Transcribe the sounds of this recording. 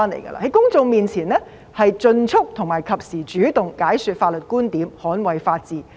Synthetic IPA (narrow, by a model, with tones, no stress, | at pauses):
aː˥nlḛ˨˩jɡɐ̰˧la̰˧˩hɐ˨˦jkʊ˥ŋt͡sʊ˧ŋmiː˨nt͡sʰiː˨˩nlɛː˥ | hɐ˨jt͡sɵ˧nt͡sʰʊ˥k̚t̪ʰʊ˨˩ŋmaː˨˩jkʰɐ˨p̚siː˨˩t͡ʃyː˨˥t̪ʊ˨ŋkaː˨˥jsy˨˧t̚faː˧t̚lɵ˨t̚kuː˥nt̪iː˨˥mhɔː˨˥nwɐ˨jfaː˧t̚t͡siː˨˩